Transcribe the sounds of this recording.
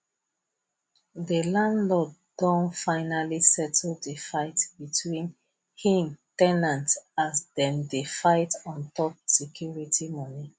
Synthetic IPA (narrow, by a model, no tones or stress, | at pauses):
ðəlãndlɔd | dɔ̃nfaɪnalisɛtʰl̩ˠdəfaɪtbitʰwĩn | hĩmtɛnãntasdɛ̃ndefaɪtɔ̃ntɔp̚sɛkʰjuɹitʰimɔni